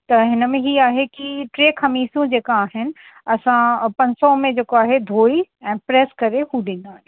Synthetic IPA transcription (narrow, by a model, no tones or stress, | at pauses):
t̪ɐɦɪnəmẽɦiaːɦekiʈɾeːkʰɐmiːsũd͡ʑeːkaaːɦɪnɪ̆ | ɐsãpɐ̃ɲsɔmẽd͡ʑeːkoaːɦed̪ʱoːiɛ̃ːpɾeːskɐɾeɦuɗɪ̃nd̪aːɦeː